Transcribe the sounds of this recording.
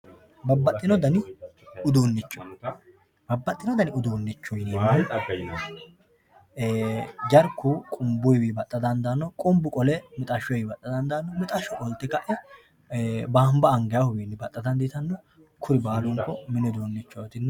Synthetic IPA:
bɐbːɐːɪnɔd̪ɐnɪʊd̪uːnːɪt͡ʃːɔ | b̥ɐbːɐt̪ʼːɪnɔd̪ɐnɪʊd̪uːnːɪt͡ʃːɔjnen | d͡ʒɐɾkːʊkʼʊmbʊjwibɐt̪ʼːɐd̪ɐnd̪anːɔkʼʊmbʊkʼɔlɛmɪt̪ʼɐʃːɔjɪbɐt̪ʼːɐd̪ɐnd̪anːɔmɪt̪ʼɐʃɔʔʼɔlt̪ːɛkɐʔɛ | baːmbɐːŋɡɛjahʊbiːnːɪbɐt̪ʼːɐd̪ɐnd̪it̪ɐnːɔ | kʰʊɾɪbaːlʊŋkɔmɪnɛd̪uːnːɪt͡ʃːɔt̪ɪnː

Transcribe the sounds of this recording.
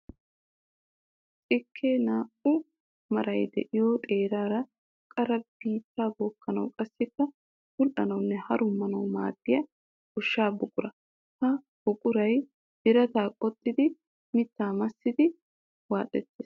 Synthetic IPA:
t͡sʼɪkʰːeːnaːʔʊ | mɐɾɐjd̪ɛ̰ʔɪjoːt̪ʼe̞ːɾaːɾɐ | kʼɐɾɐb̥iːt̪ːaːboːkːɐnɐ̰wkʼɐsːɪkːɐ | hʊlʔɐ̰nɐwnːɛhɐɾʊmːɐnɐwma̰ːd̪̥ːɪjɐ | ʊʃːaːbʊkʼʊɾɐ | hɐ | b̥ʊkʼʊɾɐj | d̥ɪɾɐt̪aːkʼɔt̪ʼːɪd̪ɪ | mɪt̪ːaːmɐsːɪd̪ɪ | wa̰ːt̪ʼɛt̪ːeːs

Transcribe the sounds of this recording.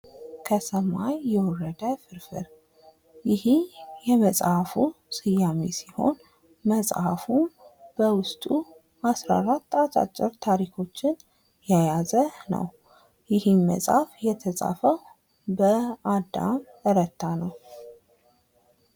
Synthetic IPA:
kʰəsəmajːɛwɔrːəd̪əfɨɾfɨ̰ɾ | jɪhijɛməsʼhafusʼɨjamḭsiho̞̰n | məsʼhafub̥əwʊst̪ʼu | asɾa̰ɾat̪ːat̪ʼa̰t͡ʃʼːɪɾt̪ʰaɾikʰo̞t͡ʃːɪn | jajazənə̰w | jɪhɨnmə̰sʼafjɛt̪ʰəsʼa̰fəw | bəad̪a̰m | əɾət̪ʰːanəw

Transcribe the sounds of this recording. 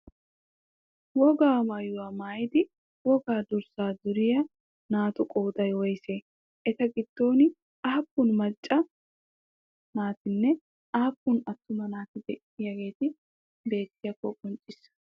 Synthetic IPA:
wɔɡaːmaːjʊwaːmaːjɪd̪ɪ | wɔɡaːd̪ʊɾsaːd̪ʊɾɪjɐ | naːt̪ʊkʼoːt̪ʼɐjwɔjseː | ʔɛt̪ɐɡɪd̪̥ːo̞ːnɪ | ʔaːpːʊnmɐt͡ʃʼːɐ | naːt̪ɪnːɛ | ʔaːpːʊnɐt̪ːʊmɐnaːt̪ɪd̪ɛʔɪjɐɡe̞ːt̪ɪ | be̞ːt̪ːɪjɐkɔkʼɔnt͡ʃʼːɪsːɐ̥

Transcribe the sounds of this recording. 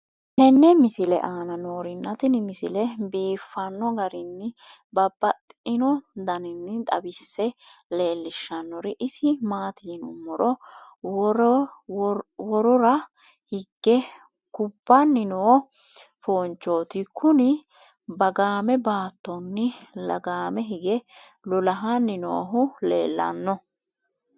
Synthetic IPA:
ʔɛnːɛmɪsɪlɛ̰ʔaːnɐnoːɾɪnːɐt̪ɪnɪmɪsɪlɛbiːfːɐnːɔɡɐɾɪnːɪ | bɐbːɐt̪ʼɪnɔd̪ɐnɪnːɪt̪ʼɐ̰bɪsːɛle̞ːlːɪʃːɐnːɔɾɪʔɪsɪmaːt̪ʰiːnʊmːɔɾɔ | ɾ | wɔɾɔɾɐ | hɪɡːɛ | kʊbːɐnːɪnoː | foːnt͡ʃːoːt̪ɪkʰʊnɪ | bɐɡaːmɛbaːt̪ːɔnːɪlɐ̰ɡaːmɛɦɪɡɛ | lɔlɐɦɐnɪno̰ːɦʊlḛːlːɐ̰nːɔ

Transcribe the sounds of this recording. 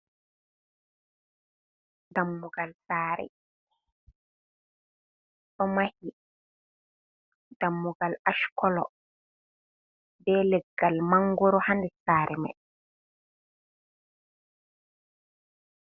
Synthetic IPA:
damːuɡalsaːɾɛ̰ | ɗɔmahi | d̥amːuɡalaʃkɔlɔ̰ | bɛːlɛɡːalmaŋɡɔɾɔhandɛsaːɾʔɛma̰j

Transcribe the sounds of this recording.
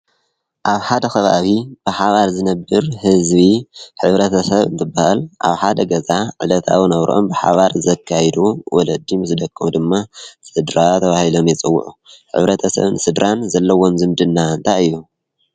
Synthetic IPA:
ʔaβħad̪ɐxɐβa̰βib̥ɨħaβaɾzɨnɐbːɨɾhɨzβiħɨβɾɐt̪ʰɐsɐβɨ̰nt̪ʰɨbːahɨlʔa̰βħad̪ɐɡɐzaʕɨ̰lɐt̪ʰa̰wnɐβɾʔo̰mbɨħa̰βaɾzɐkʰːajd̪uwɔlɐd̪ːimɨsd̪ɐkʼːɨd̪ɨmːasɨd̪ɾat̪ʰɐβahilo̞mjɛt͡sʼɨwːʊ̰ʕuħɨ̰βɾɐt̪ʰɐsɐ̰βnɨsɨd̪ɾanzɐlːɐwo̞mzɨmd̪ɨnːant̪ʰaɨjːu

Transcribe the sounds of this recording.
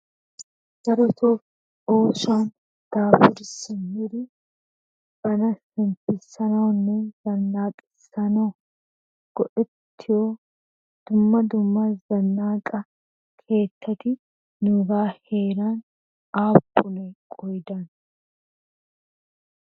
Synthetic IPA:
ɡ̥ɐɾɔt̪oː | uːsaːn | t̪aːfɪɾsɪnhɪɾɪ | b̥ɐnɐsɪnfɪsɐnɐwnːɛz̥ɐnːaːkʼɪ̥sɐnɐ | ɡ̥ɔʔɪt̪ʰːɪjoː | d̪̥ʊmːɐd̪ʊmːɐzɐnːaːkʼɐ | kʰe̞ːt̪ʰːɐt̪ɪ | nʊdaːheːɾaːn | aːbːʊnɛkʼɔjd̪ɐn

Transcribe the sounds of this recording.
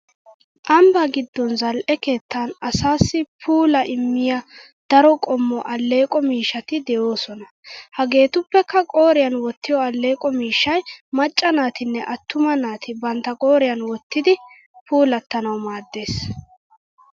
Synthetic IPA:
ʔɐmbɐɡɪd̪ːɔnzɐlʔɛke̞ːt̪ːanɐsaːsːɪpʰuːlɐʔɪmːɪja | d̪̥ɐɾɔkʼɔmːɔʔɐlːe̞ːkʼɔmiːʃːɐt̪ɪd̪ɛjo̞ːsɔnɐ | hɐɡe̞ːt̪ʊpːɛkːɐkʼoːɾɪjɐnwɔt̪ːɪjɔɐlːe̞ːkʼɔmiːʃːɐjmɐt͡ʃʼːɐnaːt̪ɪnːɛʔɐt̪ːʊmɐnaːt̪ʰɪbɐnt̪ːɐkʼo̞ːɾɪjɐnwɔt̪ːɪd̪ɪ | pʰuːlɐt̪ːɐnɐwmaːd̪ːe̞ːs

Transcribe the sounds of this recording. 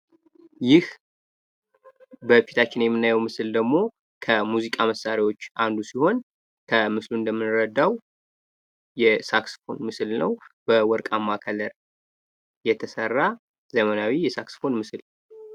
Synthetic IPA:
jɪh | bəfit̪ʰat͡ʃːɪnjɛmːɨnːajɛwmɨsɨld̪əɡmo̞ | kʰəmuzikʼaməsːaɾiwo̞t͡ʃːʔand̪usiho̞n | kʰəmɨsluɨnd̪əmːɨnɨɾəd̪ːaw | jɛsaksfo̞nmɨsɨlnəwbəwɔɾkʼamːakʰələɾ | jɛt̪ʰəsərːa | zəmənawijɛsaksfo̞nmɨsɨl

